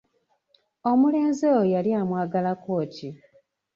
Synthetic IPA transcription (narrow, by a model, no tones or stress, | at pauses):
o̞mule̞ːnzejojaljaːmwaːɡalako̞ːtʰi